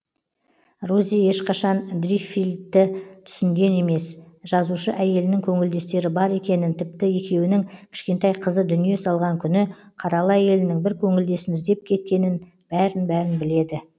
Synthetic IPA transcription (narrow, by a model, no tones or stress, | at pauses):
ruzije̞ʃqʰɑʃɑnd̪rifild̪ːɪt̪ʰʏ̥sɪŋɡʲe̞ne̞me̞sʒ̥ɑzuʃəʔæje̞lɪnɪŋkʲʰɵŋɪld̪e̞st̪e̞ɾɪbɑɾe̞kʲe̞nɪnt̪ʰɪp̚t̪ɪje̞kʲe̞wɪnɪŋkʲʰɪ̥ʃkʲe̞nt̪ɑjqʰəzəd̪ʏnije̞sɑlˠʁɑŋkʲʰʏnɪqʰɑɾɑlˠəæje̞lɪnɪŋbɪɾkʲʰɵŋɪld̪e̞sɪnɪzd̪e̞p̚kʲʰe̞t̪̚kʲe̞nɪn | b̥æɾɪnbæɾɪnbɪle̞d̪ɪ